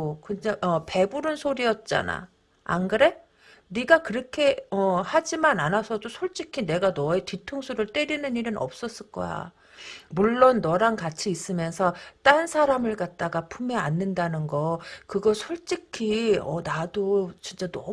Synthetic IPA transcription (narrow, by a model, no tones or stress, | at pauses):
kɯnaʌpe̞buɾɯnsʰoɾiʌt̚t͡ɕ͈a̰na̰ | a̰nɡɯɾe̞ | niɡakɯɾʌkʰe̞ʌhad͡ʑimananasʰʌdosʰoɭt͡ɕ͈ikʰine̞ɡanʌetitʰoŋsʰuɾɯɭt͈eɾinɯniɾɯnʔʌ̰p̚s͈ʌs͈ɯɭk͈ʌ̰ja̰ | muɭːonːʌɾankat͡ɕʰiːs͈ɯmjʌnsʰʌt͈ansʰaɾamɯɭkat̚t͈aɡapʰumeanːɯndanɯnɡʌkɯɡʌsʰoɭt͡ɕ͈ikʰiʌ̰nadot͡ɕint͡ɕ͈anʌ